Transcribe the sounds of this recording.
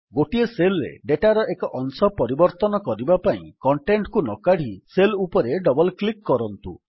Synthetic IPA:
ɡoʈieselɾḛɖeʈaɾɔʔekɔʔɔnsɔpɔɾibɔɾt̪ɔnɔkɔɾibapaḭ̃kɔɳʈeɳʈkunɔkaɽ̤iselupɔɾeɖɔbɔlklikːɔɾɔnt̪ṵ

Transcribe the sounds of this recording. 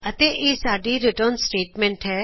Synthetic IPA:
ɐt̪eʔeːsaːɖiɾɪʈəɾnsʈeːʈmɛ̃ːɳʈɦɛː

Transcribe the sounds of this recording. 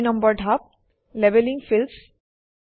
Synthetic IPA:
nɐ̃mbəɾɖʱap̚ | leʋelɪ̃ŋɡfɪls

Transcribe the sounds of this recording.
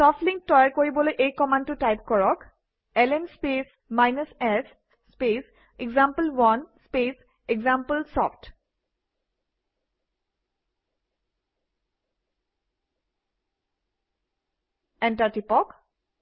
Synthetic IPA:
sɔftlĩŋk̚tɔjaɹkoɹibɔlojʔejkɔmãntʊtajp̚kɔɹɔk | ɛlɛnspes | majnəsɛs | spes | eɡzampəlwɔnspes | eɡzampəlsɔft | ɛntaɹtipɔk

